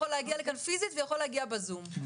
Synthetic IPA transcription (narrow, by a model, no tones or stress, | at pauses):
olehaɡialekanfizit̪vejaχolehaɡiabazum